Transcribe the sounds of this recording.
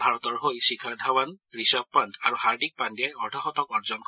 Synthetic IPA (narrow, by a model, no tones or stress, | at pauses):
bʱaɹɔtɔɹɦojsikʰaɹdʱawanɹisab̚pantaɹuhaɹdik̚pandiajɔɹtʰaxɔtɔkɔɹzɔnkɔ